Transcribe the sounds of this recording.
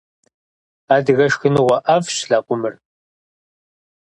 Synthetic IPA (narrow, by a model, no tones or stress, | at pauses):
aːdɨɣɐʂxɨnuʁʷɐʔɐfʃɬaːqʷʼʊmɨr